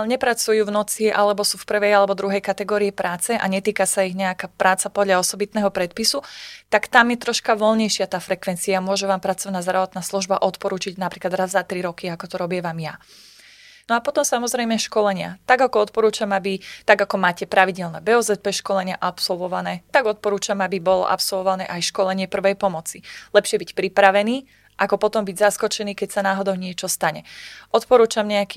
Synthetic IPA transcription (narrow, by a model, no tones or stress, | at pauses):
ɲɛpɾat͡sujuːvnɔt͡siʔa̰lɛbɔsuːfpr̩ʋɛjalɛbɔd̪ɾuɦɛjkat̪ɛɡɔːɾiɛpɾaːt͡sɛʔa̰ɲɛt̪iːkasaiɣɲɛakaːpɾaːt͡sapɔd̪ʎaɔsɔbit̪nɛːɦɔpɾɛt̪̚pisut̪akt̪amjɛt̪ɾɔʃkaʋɔlɲɛjʃɪat̪aːfɾɛkʋɛnt͡siamʊɔʒɛʋaːmpɾat͡sɔʋnaːzd̪ɾaʋɔt̪naːsluʒbaʔɔt̪pɔɾuːt͡ʃiɟnapɾiːklad̪ɾazzat̪ɾiɾɔkiakɔt̪ɔɾɔbɪɛʋaːmja | nɔapɔt̪ɔmsamɔzɾɛjmɛʃkɔlɛɲɪa̰t̪aɡakɔɔt̪̚pɔɾuːt͡ʃamabit̪aɡakɔmaːcɛpɾaʋiɟɛlnɛbɛɔzɛt̪̚pɛʃkɔlɛɲɪaʔapsɔlˠʋɔʋanɛːt̪aɡɔt̪̚pɔɾuːt͡ʃamabibɔlɔ̰ʔa̰psɔlʋɔʋanɛ̰ːʔajʃkɔlɛɲɪɛpr̩ʋɛjpɔmɔt͡silɛpʃɪɛbicpɾipɾaʋɛniː | ʔakɔpɔt̪ɔmbiɟzaskɔt͡ʃɛniːkɛcsanaːɦɔd̪ɔʊɲɪɛt͡ʃɔst̪aɲɛɔt̪pɔɾuːt͡ʃamɲɛakiː